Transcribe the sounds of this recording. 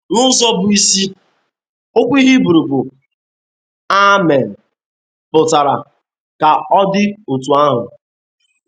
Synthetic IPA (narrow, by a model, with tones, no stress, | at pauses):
nʊ˦zɔ˦bʊ˨i˦si˦ | o˦kʷi˦ɦi˦bu˨ɾu˨bʊ˨ | a˦mɛ˨n̩˨ | pʊ˨ta˨ɾa˨ | ka˨ɔ˦dɪ˦o˨tu˨a˦ɦʊ̰˨